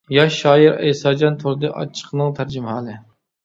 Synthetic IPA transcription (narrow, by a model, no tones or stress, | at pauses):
jɑʃːɑːjiɾɛ̰jsɑːd͡ʒɑnt̪ʰoɾɨd̪ɨʔɑ̰t͡ʃʰːə̥qʰənɨŋt̪ʰæɾd͡ʒɪmɦɑːlɨ